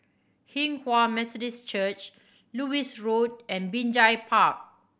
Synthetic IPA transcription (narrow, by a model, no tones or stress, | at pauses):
hĩŋhwamɛt̪ɔdist͡ʃət͡ʃ | luisɹod̚ɛ̃nbĩnd͡ʒajpʰak̚